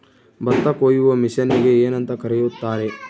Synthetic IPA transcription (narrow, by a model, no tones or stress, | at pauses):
bɐt̪ːɐkoːjuʋɐmiʃɐnːiɡeeːnɐnt̪ɐkɐɾɛjut̪ːaːɾe̞